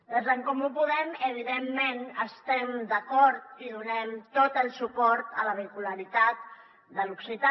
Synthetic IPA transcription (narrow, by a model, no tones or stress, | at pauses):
d̪əzðəŋkɔmupuðɛməβ̞iðemːenəst̪ɛmd̪əkɔɾt̪̚iðunɛmt̪ot̪əlˠsupɔɾt̪ələβəikuləɾit̪at̪̚ | d̪əluksit̪a